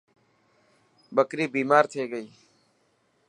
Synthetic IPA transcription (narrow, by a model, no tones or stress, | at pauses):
ɓəkɾiːbiːmaːɾt̪ʰeːɡəiː